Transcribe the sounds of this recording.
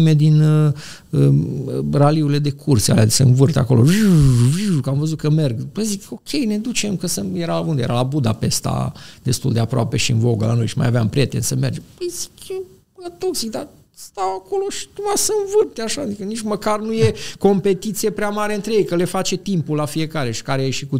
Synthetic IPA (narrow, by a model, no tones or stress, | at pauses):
me̞d̪in | ə | raliuɾile̞d̪e̞kʰursʲa̰lea̰d̪esəɨnvɨrt̪ea̰ko̞lo̞ | ukamvəzut̪kəme̞rɡpəziko̞kʲʰe̞jne̞d̪ut͡ʃemkəsəjeɾalaund̪eje̞ɾalabud̪ape̞st̪a̰d̪̥e̞st̪uld̪e̞apɾoa̰pe̞ʃiɨnvo̞ɡəla̰no̞jʃima̰javeampɾie̞t̪e̞̰nsəme̞rd͡ʒepəjzi̥ke | at̪o̞ksik̚d̪a | st̪awako̞lo̞ʃi̥t̪umasəɨnvɨrt̪eaʃad̪ikənit͡ʃməkarnuje̞ko̞mpe̞t̪it̪sije̞pɾeamaɾeɨnt̪ɾe̞je̞jkəle̞fat͡ʃe̞t̪impulːafie̞kaɾe̞ʃi̥kaɾejeʃiku